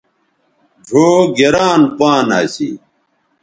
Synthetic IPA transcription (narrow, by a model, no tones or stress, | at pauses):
d͡ʑʱoːɡeɾaːnpaːnaːsḭ